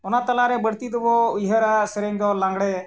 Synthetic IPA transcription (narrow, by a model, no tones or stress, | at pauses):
ɔnat̪ɐlaɾɛbəɽt̪id̪ɔbɔujɦəɾasɛɾɛŋd̪ɔlaŋɡɽɛ